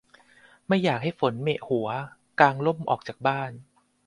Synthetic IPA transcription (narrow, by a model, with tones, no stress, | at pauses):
ma˥˩jːaː˨˩k̚ha˥˩jfo˩˦nme˨˩ʔhu˩˦ɐ | kaː˧ŋlo˥˩mʔɔ̰ː˨˩k̚t͡ɕaː˨˩k̚baː˥˩n